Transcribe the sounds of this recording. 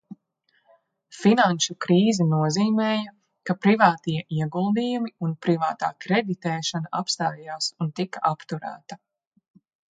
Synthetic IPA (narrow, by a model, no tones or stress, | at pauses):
finanʃukɾiːzɛnuɔziːmɛːjɐ | kapɾivaːt̪iɛʔiɛɡulˠd̪iːjumiunpɾivaːt̪a̰ːkɾed̪it̪ɛːʃanaʔapst̪aːjaːsunt̪ikaʔapt̪uɾæ̰ːt̪ɐ